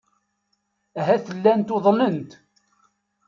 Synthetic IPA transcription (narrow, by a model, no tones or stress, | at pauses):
æɦæθəlːænt̪oðˤlənt̪